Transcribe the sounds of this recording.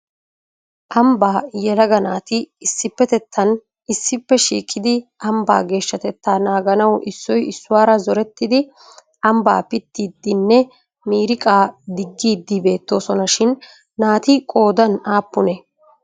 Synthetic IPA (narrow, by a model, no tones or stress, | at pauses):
ʔɐmbaːjɛlɐɡɐnaːt̪ɪːsːɪpːɛt̪ɛt̪ʰːɐn | ɪsːɪpːɛʃḭːkʼːɪd̪ɪɐmba̰ːɡe̞ːʃːɐt̪ɛt̪ːaːnaːɡɐnɐwʔɪsːɔjɪsːʊwaːɾɐzɔɾɛt̪ːɪd̪ɪ | ʔɐmba̰ːpɪt̪ːiːd̪ːɪnːɛ | miːɾɪkʼaːd̪ɪɡːiːd̪ːɪbe̞ːt̪ːo̞ːsɔnɐʃɪnː | aːt̪ɪkʼo̞ːd̪ɐnaːpːʊnɛ